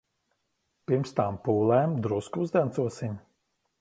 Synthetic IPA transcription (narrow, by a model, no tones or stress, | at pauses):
piɾmst̪ampuːlˠɛːmd̪ɾuskuzd̪ʲɛnt̪suɔsiɲʲ